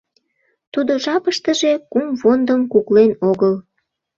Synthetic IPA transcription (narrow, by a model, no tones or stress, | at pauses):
t̪ud̪oʒɑpəʃt̪əʒe̽kumfond̪əmkuklenoɣəl